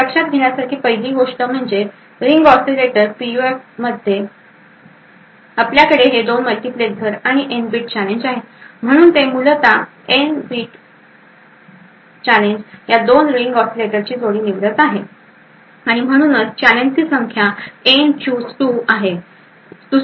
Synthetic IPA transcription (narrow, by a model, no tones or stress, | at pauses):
pəkʂat̪̚ɡʱeɳjasaɾkʰiːpəjd̪ʱiːɡoʂʈəːm̤əɳd͡ʑe | ɾiŋɡɔksileʈəɾpijuefməd̪ʱːje | apljakəɽeɦed̪onməlʈipleɡ̪ʱəɾaɽ̃iʔenbiːʈ̚t͡ɕæleɲd͡ʑaɦem̤əɽ̃uːnt̪emulət̪a | enbiːʈ | t͡ɕaleɲd͡ʑjad̪onɾiŋɡɔɾsileʈəɾt͡ɕiːt̪ʰoɽiːniʋɾət̪aɦe | aɽ̃im̤əɽ̃uːnət͡st͡ɕæleɲd͡ʑsiːsəŋkʰjaent͡ɕusʈuaɦe | t̪u